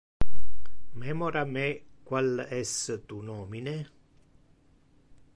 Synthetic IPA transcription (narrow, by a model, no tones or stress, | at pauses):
mɛmɔɾame | kwalɛst̪unɔːmine